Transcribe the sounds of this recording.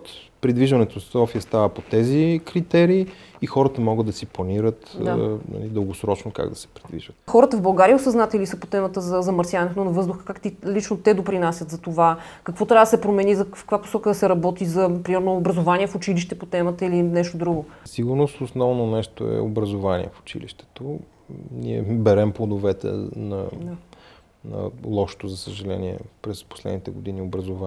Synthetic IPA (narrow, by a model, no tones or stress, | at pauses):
t̪ | pɾid̪viʒənɛt̪osɔfiəst̪avəpot̪ɛzikɾit̪ɛɾiːxɔɾət̪əmɔɡəd̪ɐsiplˠɐniɾət̪nɐ̰lid̪əlˠɡosɾɔt͡ʃnoka̰ɡd̪ɐsɛ̥pɾid̪vḭʒət̪xɔɾət̪əvbɐlˠɡaɾijəosɐznat̪ɛlisəpot̪ɛmət̪əzɐzɐmɐɾsʲjavɐnɛt̪onɐvɤzd̪ʊxə̥kakt̪ilit͡ʃnot̪ɛd̪opɾinasʲjət̪zɐt̪ovakɐkvɔt̪ɾʲavəd̪sɛpɾomɛnizɐfkəkvapo̥sɔkəd̪ɐsɛɾɐbɔt̪izɐpɾimɛɾnoːbɾɐzovaniɛfʊt͡ʃiliʃt̪ɛpot̪ɛmət̪əilinɛʃt̪od̪ɾuɡosiɡuʊɾnost̪osnɔvnonɛʃt̪oɛ̰obɾɐzovanḭɛ̰fo̥t͡ʃḭliʃt̪ɛ̥t̪o | nḭɛ̰bɛɾɛmplod̪ovɛt̪ɛ̰nɐ | nɐ̰lˠɔʃo̥t̪ozɐsəʒɐlɛ̰niɛ̰pɾɛspo̥slɛ̰d̪nit̪ɛɡod̪iniobɾɐzova